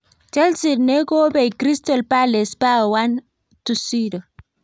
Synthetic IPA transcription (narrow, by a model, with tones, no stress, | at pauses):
t͡ʃɛ˦lsi˨ɾne˦ko˦be˨jkɾi˦stɔ˨lpale˨spa˦wan | tusi˦ɾo˨